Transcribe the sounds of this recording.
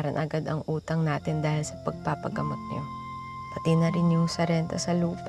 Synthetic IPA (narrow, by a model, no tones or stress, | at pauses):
ɾɐnʔɐɡad̪ɐŋʔuːt̪ɐŋnaːt̪ɪnd̪aːhɪlsɐpɐɡ̚paːpɐ̰ɡɐmɐk̚ɲo̰ | pɐt̪ɪnɐɾɪnjʊŋsɐɾɛnt̪ɐsɐluːp